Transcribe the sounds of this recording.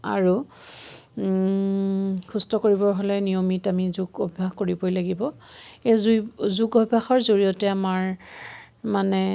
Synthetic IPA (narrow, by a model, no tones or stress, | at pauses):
a̰ɹu | xustɔkoɹibɔɹɦolɛnijomitamizuɡobʱbaxkoɹibɔjlaɡibɔezuzuɡobʱaxɔɹzoɹijɔtɛamaɹ | manɛ